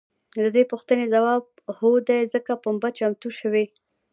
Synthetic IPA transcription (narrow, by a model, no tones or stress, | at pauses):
d̪əd̪epuxt̪ənezawɑb̚ | hod̪ajzəkapambat͡ʃamt̪uʃəwe